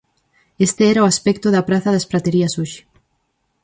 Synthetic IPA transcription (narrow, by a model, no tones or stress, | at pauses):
est̪eɛɾaoaspɛk̚t̪oðapɾaθaðaspɾat̪eɾiɐsoʃi̥